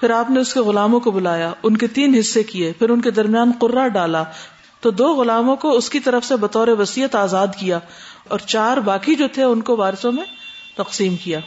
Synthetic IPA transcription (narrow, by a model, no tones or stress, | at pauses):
pʰɪɾaːpneʊskeɣʊlaːmõkobʊlaːjaʊnket̪iːnɦɪsːekiepʰɪɾʊnked̪ɐɾmijaːnqʊɾːaɖaːla | t̪od̪oːɣʊlaːmõkoʊskit̪ɐɾəfsebɐt̪ɔːɾeʋɐsiːət̪aːzaːd̪kijaː | ɔːɾt͡ʃaːɾbaːkid͡ʒoːt̪ʰeʊnkoʋaːɾɪsõmẽ | t̪ɐqsiːmkijaː